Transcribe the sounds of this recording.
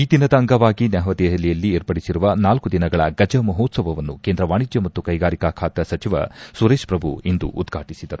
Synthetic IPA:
iːd̪inɐd̪ɐːŋɡɐʋaːɡinɛɦɐʋɐt̪ɛɦɐlːijɐlːieːɾpɐɽisiɾuʋɐnaːlkud̪inɐɡɐɭɐɡɐd͡ʒɐmɐɦoːt̪sɐʋɐʋɐnːukeːnd̪ɾɐʋaːɳid͡ʒjɐmɐt̪ːukɐjɡaːɾikaːkʰaːt̪ɐsɐt͡ʃiʋɐ̰suɾeːʃpɾɐbʱṵind̪ṵʔṵd̪ɡʱaːʈisid̪ɐɾu

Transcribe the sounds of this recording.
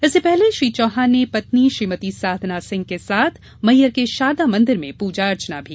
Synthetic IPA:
ɪsːepɛɦleʃɾiːt͡ʃɔːɦaːnepɐt̪niʃɾiːmət̪isaːd̪ʱnasɪ̃ŋɡ̚kesaːt̪ʰ | mɐjəɾkeʃaːd̪amɐ̃nd̪ɪɾmẽpuːd͡ʒaɐɾt͡ʃnabʱiː

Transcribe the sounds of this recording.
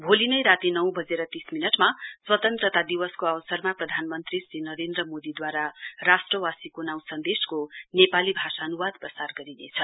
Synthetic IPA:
bʱolinʌjɾat̪inʌw̃bʱʌd͡zeɾʌt̪isminʌʈmaswʌt̪ʌnt̪rʌt̪ad̪iwʌskoawʌsʌrmaprʌd̪ʱanmʌnt̪risinʌɾend̪rʌmod̪id̪waɾarasʈrʌwasikonaw̃sʌnd̪eskonepalibʱasaːnuwad̪̚prʌsarɡʌɾinḛt͡sʰʌ

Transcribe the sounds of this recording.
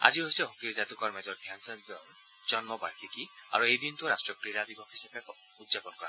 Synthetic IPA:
a̰d͡ʒiɦojsɔɦokiɾd͡ʒat̪ukɔɾmɛd͡ʒɔɾd̪ʱjansɔn | d͡ʒɔnmɔbaɾkʰikia̰ɾuejd̪int̪uɔɾasʈɹɔkɾiɾad̪ibɔkʰɦisabe | ud̪d͡ʒapɔnkɔɾa

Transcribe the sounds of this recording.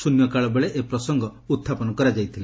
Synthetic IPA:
sunjɔkaɭɔbeɭeʔepɾɔsɔŋɡɔut̪ʰːapɔnɔkɔɾad͡ʒajt̪ʰile

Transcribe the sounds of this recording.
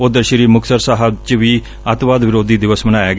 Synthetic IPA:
od̪əɾʃəɾiːmʊkʰsəɾsaːɦəbt͡ʃʋiː | ət̪ʋaːd̪ʋɪɾoːd̪iːd̪ɪʋəsmənaːɛːɡ

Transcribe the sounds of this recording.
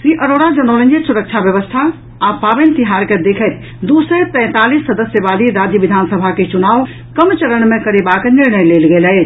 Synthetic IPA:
sɾiʔəɾoɽad͡ʒənolə̃nd͡ʒeʈsuɾəkt͡ʃʰabjəʋəst̪ʰa | apabənt̪iɦaɾked̪ekʰət̪ | d̪usəpɛ̃ːt̪alisːəd̪əsjəbaliɾad͡ʒjəʋid̪ʱansəbʱaket͡ʃunau | kəmt͡ʃəɾəɳmẽkəɾebakniɾnəjlelɡelət͡ʃʰ

